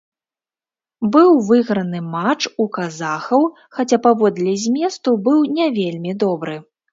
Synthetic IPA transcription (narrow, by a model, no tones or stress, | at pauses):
bɨwvɨɣɾɐnɨmat͡ʂukazaxɐw | xat͡sʲapavɔd̪lʲɛzʲmʲɛst̪ubɨwnʲɛvʲelʲmʲid̪ɔbɾɨ